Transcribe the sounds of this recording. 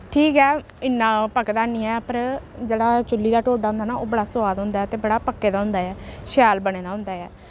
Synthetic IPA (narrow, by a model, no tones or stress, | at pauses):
ʈʰiːkɛː | ɪnːãːpəkd̪aːnĩːɛːpəɾd͡ʒeːɽaːt͡ʃʊlːiːd̪aːʈoːɖaːɦʊ̃nd̪aːnaːoːbəɽaːsʊaːd̪ɦʊ̃nd̪aːɛːt̪eːbəɽaːpəkːeːd̪aːɦʊ̃nd̪aːɛːʃjaːlbəɽ̃eːd̪aːɦʊnd̪aːɛː